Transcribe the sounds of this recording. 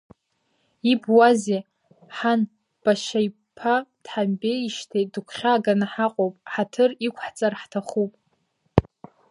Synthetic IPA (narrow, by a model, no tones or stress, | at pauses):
ibwaze | ħan | b̥aʃaj | pʰad̥ħambeiʃtʰedɨkʷʰχʲaːɡanaħaqʼowpʼħatʰɨrikʷʰħt͡sʼarħtʰaχupʼ